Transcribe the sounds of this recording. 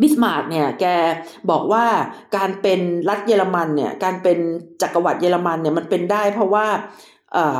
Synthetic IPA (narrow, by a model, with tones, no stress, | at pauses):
bi˦˥˩s̚maː˨˩k̚ni˥˩ɐkɛː˧bɔː˨˩k̚waː˥˩kaː˧npe˧nɾa˦˥t̪̚jeː˧la˧ma˧nːi˦˥˩ɐkaː˧npe˧nt͡ɕaː˨˩kːa˧wa˨˩t̪̚jeː˧la˧ma˧nːi˧˩ɐma˧npe˧ndaː˥˩jpʰɾɔ˦˥waː˥˩ | ʔɤː˨˩